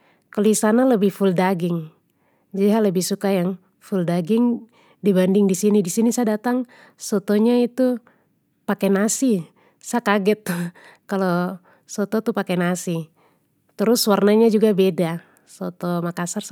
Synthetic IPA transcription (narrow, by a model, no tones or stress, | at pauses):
kəlisanaləbɪhfuldaɡɪŋ | d͡ʒadiɦaləbɪhsukajaŋ | fuldaɡɪŋ | dibandɪŋdisinidisinisadat̪aŋ | sɔt̪ɔɲait̪u | pakɛnasi | sakaɡɛt̪̚ | kalo | sɔt̪ɔt̪upakɛnasi | t̪əɾʊswarnaɲad͡ʒuɡabeda | sɔt̪ɔmakasar